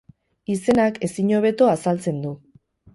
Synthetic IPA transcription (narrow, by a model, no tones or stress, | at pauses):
ise̞nake̞siɲo̞β̞e̞t̪o̞asalt͡se̞nd̪u